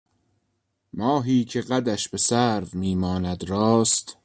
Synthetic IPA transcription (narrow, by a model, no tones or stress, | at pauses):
mɒːɦiːcʰeɣæd̪æʃbe̞sæɾvmiːmɒːnæd̪ɾɒːst̪